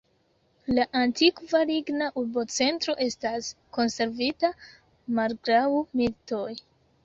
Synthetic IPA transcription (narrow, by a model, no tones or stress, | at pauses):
laʔantikvaɾiɡnaʔuɾbo̞t͡se̞ntɾo̞ʔe̞stasko̞nse̞ɾvita | malɡɾawmilto̞j